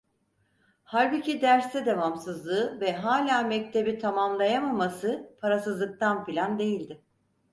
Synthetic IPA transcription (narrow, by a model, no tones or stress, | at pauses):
haɾbɯcʰid̪æɾst̪ɛd̪evamsɯzlˠɯːvɛɦaːlʲaːmɛc̚t̪ʰe̞bit̪ʰamamlˠajamamasɯpʰaɾasɯzlˠɯk̚t̪ʰanpilʲand̪e̞jilʲd̪ɪ